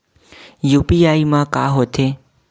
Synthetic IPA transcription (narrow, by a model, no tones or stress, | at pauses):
jupiaimãka̰ɦot̪ʰe